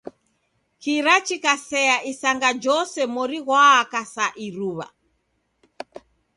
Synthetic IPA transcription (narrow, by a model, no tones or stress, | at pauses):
kiɾat͡ʃikasɛaʔisaŋɡad͡ʒɔsɛmɔɾiɣwaːkasaʔiɾuβa̰